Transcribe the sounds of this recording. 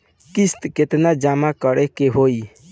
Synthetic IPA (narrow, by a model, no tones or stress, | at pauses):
kist̪ket̪nad͡ʒamakəɾekeɦoi